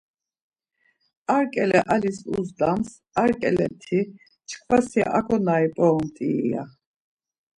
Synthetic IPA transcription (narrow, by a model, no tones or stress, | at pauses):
aɾkʼɛlɛʔalisṵzd̪ams | aɾkʼɛ̰lɛ̰t̪ʰi | t͡ʃʰkʰvasia̰ʔakʰɔnaipʼɔɔmt̪ʼiːa̰